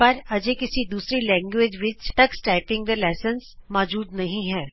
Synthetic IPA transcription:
ɐɾɐd͡ʒekɪsid̪uːsɾilɛ̃ːŋɡʋed͡ʒʋɪt͡ʃt̪ɐksʈaːɪpɪ̃ŋɡd̪əlaːsənsmɔːd͡ʒuːd̪nɐɦĩɦɛː

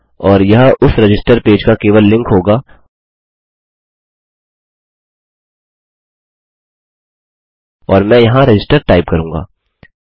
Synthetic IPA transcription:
ɔːɾjɐɦʊsɾɐd͡ʒɪsʈəɾpeːd͡ʒkakeːʋəlːɪ̃ŋkɦoːɡaː | ɔːɾmɛ̃jɐɦãɾɪd͡ʒɪsʈəɾʈaːɪpkɐɾũːŋɡa̰ː

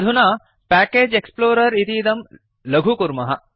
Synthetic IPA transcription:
d̪ʱunaː | pæːkeːd͡ʒeksploːɾɐɾit̪iːd̪ɐm | lɐɡʱukuɾmɐɦɐ

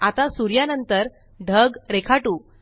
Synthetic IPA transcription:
at̪asuɾjanənt̪əɾ | ɖʱəɡɾekʰaʈuː

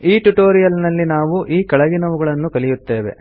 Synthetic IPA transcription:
iːʈuʈoːɾijɐlnɐlːinaːʋuʔiːkɐɭɐɡinɐʋuɡɐɭɐnːukɐɭijut̪ːe̞ːʋe̞̰

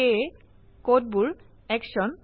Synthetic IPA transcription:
e | kot̚buɹ | ɛkʃɔn

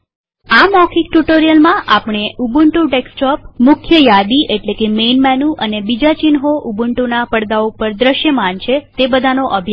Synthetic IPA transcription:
amɔkʰik̚ʈuʈoɾijəlmãʔapɳ̃eubuɳʈũʈeksʈɔp̚mʊkʰjəjad̪iʔeʈlekemenmɛnũʔənebid͡ʒat͡ʃinɦoʔubuɳʈunapəɽd̪aopəɾd̪ɾəʃjəmant͡ʃʰet̪ebəd̪ʱanoʔəbʱja

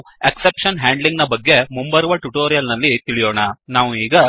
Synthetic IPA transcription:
eksepʂɐnɦaːɳɖliŋɡnɐbɐɡːe̞mumbɐɾuʋɐʈuʈoːɾijɐlnɐlːit̪iɭijoːɳɐnaːʋuiːɡɐ

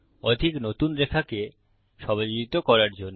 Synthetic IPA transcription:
ɔd̪ʱiknot̪unɾekʰake | ʃɔbad͡ʑoit̪okɔɾaɾd͡ʑonː

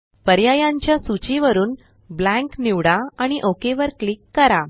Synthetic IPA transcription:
pəɾjajaɲt͡ɕjasut͡ɕiʋəɾuːn | blæ̃ŋkniʋɽaaɽ̃iʔokeʋəɾklikːəɾa

